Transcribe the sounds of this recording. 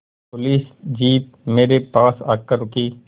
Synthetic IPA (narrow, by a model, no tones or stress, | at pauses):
pʊliːsd͡ʒiːp̚ | meːɾepaːsa̰ːkːəɾʊkiː